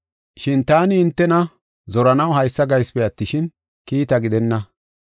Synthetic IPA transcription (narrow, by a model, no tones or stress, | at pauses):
ʃɪnt̪aːnɪɪnt̪ːɛnɐ | zɔɾɐnɐwɦɐjsːɐɡɐjspɛɐt̪ːɪʃɪn | kiːt̪ɐɡɪd̪ɛnːɐ